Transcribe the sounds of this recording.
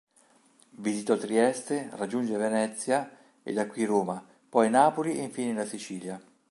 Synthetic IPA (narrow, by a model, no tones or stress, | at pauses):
vizit̪ot̪ɾiɛst̪erad͡ʒːund͡ʒevenɛt̪sːja | ḛd̪akːwiɾoːma | pɔjnaːpoliʔeɱfiːnelasit͡ʃiːlja